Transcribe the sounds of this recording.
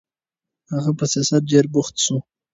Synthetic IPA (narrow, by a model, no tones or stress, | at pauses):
haɣapəsijɑsat̪̚ɖeɾbʊxt̪ʃu